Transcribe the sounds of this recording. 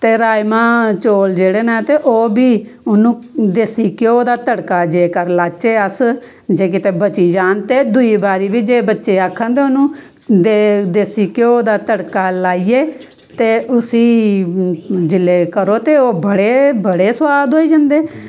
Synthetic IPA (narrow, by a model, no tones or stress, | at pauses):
t̪eːɾaːjmãːt͡ʃoːld͡ʒeːɽeːnaːt̪eːʔoːbiː | ʊnũːd̪eːsiːkoːd̪aːt̪əɽkaːd͡ʒeːkəɾlaːt͡ʃeːəs | d͡ʒeːk̬ɪt̪eːbət͡ʃiːd͡ʒaːnt̪eːd̪ʊiːbaːɾiːbiːd͡ʒeːbətːʃeːaːkʰːãːnd̪eːʊnũː | d̪ed̪eːsiːkoːd̪aːt̪əɽkaːlaːiːeː | t̪eːʔʊsiː | d͡ʒɪlːeːkəɾoːt̪eːoːbəɽeːbəɽeːswaːd̪ɦoːiːd͡ʒãːnd̪eː